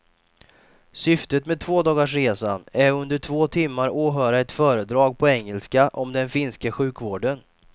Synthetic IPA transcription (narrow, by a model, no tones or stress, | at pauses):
sʏft̪ət̪meːd̪t̪ʰvoːd̪ɑːɡaʂ̬ɾeːsanæɾɵnd̪əʈʰv̥oːt̪ʰɪmːaɾoːɦœːɾaɛt̪fœːɾəd̪ɾɑːɡ̚pʰɔɛŋːɛlskaʔɔmd̪ɛnfɪnskəɧʉ̟ːkvoːɖən